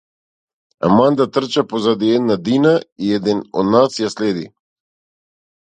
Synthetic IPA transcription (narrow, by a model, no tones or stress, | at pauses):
a̰mand̪at̪r̩t͡ʃapozad̪iɛd̪nad̪inaiɛd̪ɛnɔ̰d̪nasjaslɛd̪ḭ